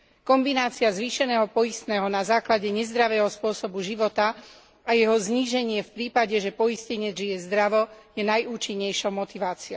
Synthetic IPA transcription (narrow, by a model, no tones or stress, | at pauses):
kɔmbinaːt͡siazʋiːʃɛnɛːɦɔpɔjist̪nɛːɦɔnazaːklaɟɛɲɛzd̪ɾaʋɛːɦɔspʊɔsɔbuʒiʋɔt̪a | ajɛɦɔzɲiːʒɛɲɪɛfpɾiːpaɟɛʒɛpɔiscɛɲɪɛd͡zʒijɛzd̪ɾaʋɔjɛnajʔuːt͡ʃiɲːɛjʃɔʊmɔt̪iʋaːt͡siɔ